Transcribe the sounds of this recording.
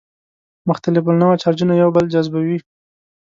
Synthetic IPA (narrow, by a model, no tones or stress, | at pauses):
mʊxt̪alɪf̬əlnawat͡ʃɑɾd͡ʒunajawbəld͡ʒazbawi